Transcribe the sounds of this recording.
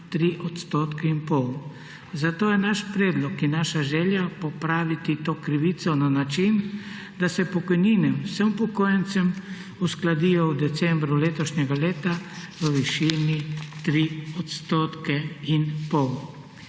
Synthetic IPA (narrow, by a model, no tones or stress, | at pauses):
t̪ɾiʔɔt̪st̪oːt̪kɛinpɔw | zat̪oːjɛnaʃpɾeːd̪lɔkinːaʃaʒɛljapɔpɾaːʋit̪it̪oːkɾiʋit̪sɔnanat͡ʃin | d̪asɛpɔkɔjninɛwsəmpɔkoːjɛnt̪səm | usklad̪ijɔwd̪ɛt̪sɛ̃mbɾuleːt̪ɔʃɲɛɡaleːt̪aʋəʋiʃinit̪ɾiɔt̪st̪oːt̪kɛinpɔw